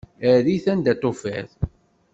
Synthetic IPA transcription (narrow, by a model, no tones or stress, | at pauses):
əðiθænd̪æt̪ˤːofɛ̰ð